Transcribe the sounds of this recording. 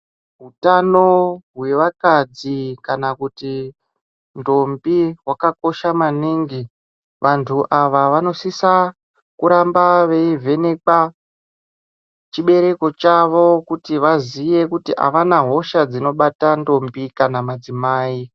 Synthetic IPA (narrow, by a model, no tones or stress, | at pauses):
ɦutano̞ɦwe̞ʋakad͡zikanakuti | ndo̞mbiɦwakako̞ʃamaniŋɡi | ʋʔantʰuʔaʋaʋano̞sisa | kuɾambaʋe̞ivʱe̞ne̞ka | t͡ʃiɓe̞ɾe̞ko̞t͡ʃaʋo̞kutiʋazije̞kutiʔa̰ʋanaɦo̞ʃad͡zino̞ɓatando̞mbikanamad͡zimaːi